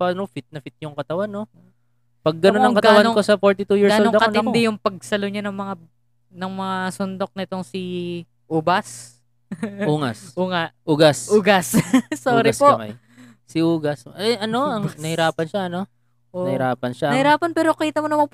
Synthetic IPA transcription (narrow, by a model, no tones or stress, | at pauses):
pɐnofɪt̪̚nɐfɪt̪̚jʊŋkɐt̪ɐwanːo | pɐɡːɐnonɐkɐtɡ̪ɐwanŋk̪osɐfoɹt̪ɪt̪ujiɹɡɐsood̪ɐkɐoɪnd̪ɛjʊŋpɐɡ̚sɐloɲanɐŋmɐŋa | nɐŋmɐŋasond̪o̞k̚nɐɪt̪o̞ŋsi | ʔuːbɐs | uːŋɐsʔuːŋaʔʔuɡasʔuɡɐssoːɾɪspoʔma̰j | sɪuːɡɐsɐʔɐno̞ɐŋnɐhɪɾaːpɐnʃaʔɐno̞ | ʔoɐhɪɾaːpɐnʃanɐhɪɾaːpɐnpɛːɾokiːt̪ɐmonɐmɐp